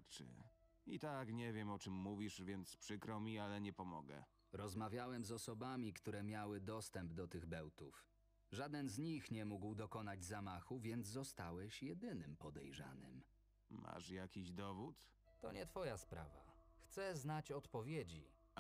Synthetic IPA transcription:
t͡ʂɘ̰ | it̪akɲɛvʲjɛmɔt͡ʂɘmːuvʲiʂvʲjɛnt̪spʂɘkɾɔmʲialɛɲɛpɔmɔ̰ɡɛ̰ | ɾɔzmavʲjawɛmzɔsɔbamʲikt̪uɾɛmʲjawɘd̪ɔst̪ɛmbd̪ɔt̪ɘɣbɛwt̪ṵf | ʐad̪ɛnzɲixɲɛmuɡwd̪ɔkɔnad͡ʑzamaxuvʲjɛnd̪zzɔst̪awɛɕjɛd̪ɘnɘmpɔd̪ɛjʐa̰nɘ̰m | ma̰ʂjakʲiʑd̪ɔvut̪ | t̪ɔ̰ɲɛ̰t̪fɔjaspɾa̰va̰xt̪sɛznat͡ɕɔt̪pɔvʲjed͡ʑḭ

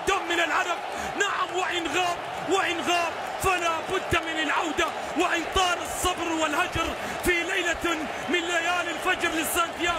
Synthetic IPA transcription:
t̪amːɪnɪlʕaɾab̚ | naʕamwɪʔɪnɣaːb | wɪʔɪnɣaːb̚ | falaːbʊd̪ːmɪnɪlʕawd̪a | wɪʔɪnt̪ˤɑːɾɑsˤːɑbɾwɪlhad͡ʒɑɾ | filajla | mɪnlajaːlɪlfad͡ʒɾlɪsˤːant̪jaː

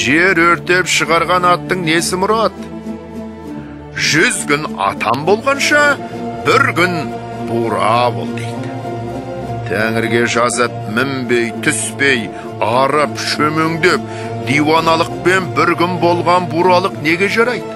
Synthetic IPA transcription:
ʒe̞ɾɵɾt̪e̞pʃəʁɑɾʁɑnɑt̪ːəɴne̞sɪmʊɾɑt̪ | ʒʏzkʲʏnɑ̰t̪ʰɑ̰mbo̞lˠʁɑnʃɑbɪɾkʲʏnb̥uɾɑ̰bo̞̰lˠd̪ejd̪ɪ | t̪ʰæŋɪɾɡʲe̞ʒɑzəp̚mɪmbe̞jt̪ʰʏspe̞j | ɑɾəpʃɵmeŋd̪ep̚ | d̪ijwɑnɑlˠəq̚pe̞nbɪɾkʲʏnbo̞lˠʁɑnbuɾɑlˠəqne̞ɡʲe̞ʒɑɾɑjd̪

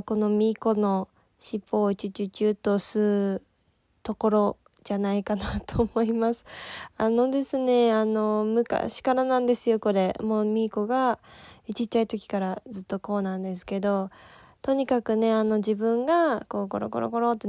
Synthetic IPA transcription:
ko̞no̞mʲiko̞no̞ | ɕipːo̞ːit͡ɕɨt͡ɕɨt͡ɕɨːt̪o̞sɨ | t̪o̞ko̞ɾo̞ | d͡ʑanaikanat̪oːmo̞imasɨ̥ano̞d̪e̞sɨne̞ano̞mɯ̟ka̰ɕi̥kaɾanãnd̪e̞sɨjo̞ko̞ɾe̞moːmʲiːko̞ɡait͡ɕit̪t͡ɕːait̪o̞kʲi̥kaɾad͡zɨt̪ːo̞ko̞ːnãnd̪e̞sɨ̥ke̞d̪o̞ | t̪o̞ɲ̟ikakɯ̟ne̞ano̞d͡ʑibɯ̟̃ŋɡako̞ko̞̰ɾo̰ko̞ɾo̰ɡo̞ɾo̞t̪ːe

